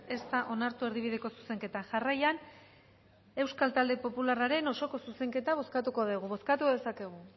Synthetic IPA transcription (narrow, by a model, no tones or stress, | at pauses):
e̞st̪aʔo̞naɾt̪ue̞ɾðiβ̞ið̞e̞ko̞su̥se̞ŋke̞t̪aŋʝarajan | e̞wskalt̪ald̪e̞po̞pularaɾe̞no̞so̞ko̞suse̞ŋke̞t̪aβ̞o̞skat̪uko̞ðeɣ̞uβo̞skat̪uðe̞sake̞ɣ̞u